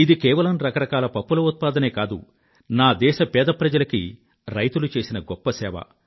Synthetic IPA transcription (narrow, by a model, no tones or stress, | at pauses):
id̪ikɛːʋɐlɐmɾɐkɐɾɐkaːlɐpɐpːulɐut̪̚paːd̪ɐne̞ːkaːd̪ṵ | naːd̪ɛːʃɐpɛːd̪ɐpɾɐd͡ʒɐlɐkḭ | ɾɐjt̪ulut͡ʃe̞ːsinɐɡɔpːɐsɛːʋɐ̰